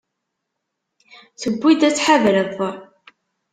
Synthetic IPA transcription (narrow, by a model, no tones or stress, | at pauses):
θəbʷːid̪æt͡sːħavɾəðˤːəɾˤ